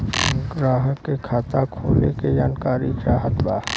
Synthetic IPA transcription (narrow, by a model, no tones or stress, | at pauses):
ɡɾaːɦəkːekʰaːt̪akʰoːlḛked͡ʒaːnkaːɾid͡ʒaːɦət̪ba̰ː